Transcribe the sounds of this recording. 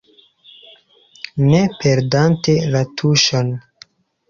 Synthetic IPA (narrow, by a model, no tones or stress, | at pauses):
nepʰeɾdantelatʰuʃon